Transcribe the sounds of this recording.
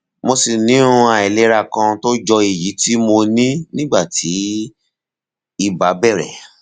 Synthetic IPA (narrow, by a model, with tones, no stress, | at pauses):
mo˧si˨nĩ˨˦ũ˧a˨ɛ˨le˨˧˦ɾa˦˨kã˧to˦d͡ʒɔ˧i˨ji˨˦ti˦mo˧nĩ˦nĩ˦ɡ͡ba˦˨tʰi˨˦ | i˦˨ba˨˦bɛ˦˨ɾɛ̰˨